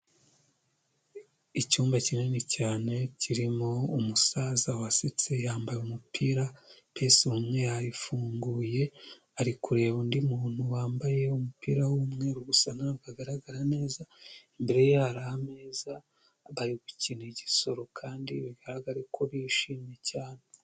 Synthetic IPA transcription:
icuːmbacinenecaːne̞ciɾimo̞umusazawasit͡se̞jaːmbajumupʰiːɾapesiumŋe̞aɾifuːŋɡuːje̞ | aɾikuɾe̞ːβondimuːn̥huwaːmbaje̞umupiːɾawumŋe̞ɾuɡusanaaɡaɡaɾaɡaɾane̞ːzaimbe̞ɾe̞jehaɾahane̞ːza | βaɾiɡucineɟiso̞ɾo̞kʰaːndiβiɡaɾaɡaɾekʰo̞βiʃiːmɲje̞caːne

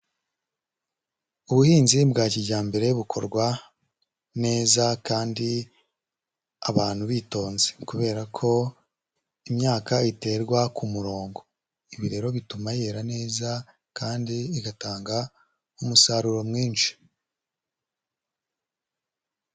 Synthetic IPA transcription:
uβuhiːnzibɡaːciɟaːmbe̞ɾe̞βukʰo̞̰ɾɡwa | ne̞ːzakaːndi | aβaːn̥huβiːto̞ːnzekuβe̞ːɾakʰo̞ | imɲaːkaite̞ɾɡwakʰumuɾo̞ːŋɡo̞ | iβiɾe̞ɾo̞βitumajeɾane̞ːza | kaːndiːɡataːŋɡa | umusaɾuɾo̞mŋiːnʃi̥

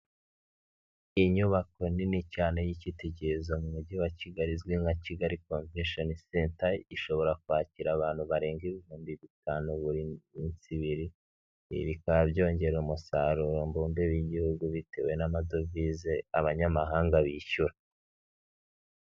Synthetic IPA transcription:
iɲuβako̞ninicaːnejiciteɟezomumuɟiwaciɡaɾizɡwiŋaciɡaɾikonvʃonsentaiʃo̞βo̞ɾakuhaːciɾaβaːn̥huβaɾe̞ːŋɡiβihuːmbiβitaːnuβuɾimint͡siβiɾi | βikaβabɟo̞ːɲɟe̞ɾumusaɾuɾombuːndeβjiɟihuɡuβite̞we̞namado̞vizeaβaɲamaɦaːŋɡaβiːʃuɾa

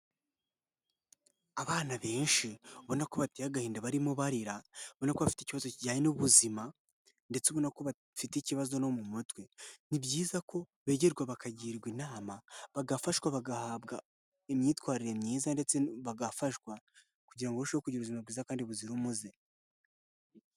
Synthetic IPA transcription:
aβaːnaβe̞ːnʃiβonako̞βatejaɡahiːndaβaɾimuβaɾiɾaβonakoβafiteciβazociɟaːɲenuβuzima | nde̞t͡seβonakoβa | fiticiβazo̞no̞mumutwe̞nibɟiːzakʰo̞ | βe̞ɟeɾɡwaβakaɟiɾɡwinaːmaβaɡafaʃɡwaβaɡahaβɡa | emɲiːtwaːɾiɾe̞mɲiːzande̞t͡seβaɡafaʃwa | kuɟiɾaŋɡouʃoβekuɟiɾuβuzimaɾɡiːzakaːndiβuziɾumuze

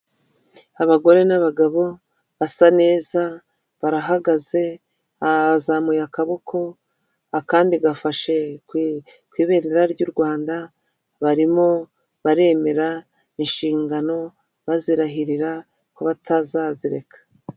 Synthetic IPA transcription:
aβaɡo̞ɾe̞naβaɡaβo̞ | βasane̞ːza | βaɾaɦaɡaze̞ | azamujakaβokʰo̞ | akaːndiɡafaʃe̞ | kwiːβe̞ːɾeɾaɾɟuɾɡwaːnda | βaɾimo̞ | βaɾe̞ːme̞ɾa | inʃiːŋɡano̞ | βaziɾaɦiɾiɾa | koβatazaziɾe̞̰kḁ

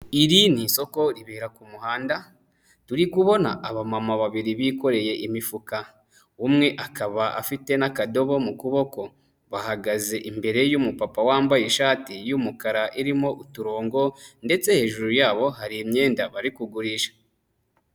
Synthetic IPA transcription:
iɾiniso̞ko̞ɾiβiɾakumuhaːnda | tuɾikuβo̞na̰ʔaβamamaβaβiɾiβiko̞ɾe̞je̞ʔimifuka | umŋe̞ʔakaβaʔa̰fite̞nakado̞βo̞mukuβo̞ko̞ | βahaɡaze̞ʔimbe̞ɾe̞jumupapawaːmbajeʃaːtijumukaɾaʔiɾimo̞ʔutuɾo̞ːŋɡo̞nde̞t͡se̞he̞ːʒuɾujaːβo̞haɾiːmɲe̞ːndaβaɾikuɡuɾiːʃḁ

